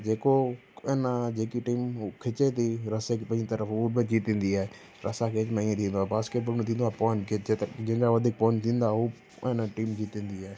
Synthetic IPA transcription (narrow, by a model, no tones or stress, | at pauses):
d͡ʑeːko | enad͡ʑeːkiʈiːmkʰɪt͡ɕet̪ʰiɾɐsekepɐ̃ɦd͡ʑit̪əɾəfuːbɪd͡ʑiːt̪ĩːn̆d̪iaːɦe | ɾɐsakʰeːɪt͡ʃmẽĩẽt̪ʰĩːn̆d̪oaːɦebaːskeːʈ̚bəlmt̪ʰĩːnd̪oaːepɔɪnkʰeet̪d͡ʑɪ̃ɦɪ̃ɲd͡ʑaʋɐd̪ʱik̚pɔːɪɲt̪ʰĩːnd̪aɦɦu | ɦnaʈiːmd͡ʑiːt̪ĩːn̆d̪iaːɦe